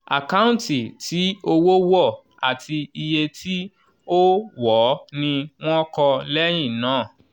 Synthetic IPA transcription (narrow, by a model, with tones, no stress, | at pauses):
a̰˨ka˦ũ˦˨ti˨tʰi˨˦o˧wo˦wɔ˦˨ | a˨tʰi˧i˧je˧tʰi˦ | o˦wɔ˨˦nĩ˧w̃ɔ̃˦kɔ˧lɛ˦j̃ĩ˦˨nãː˨˦˨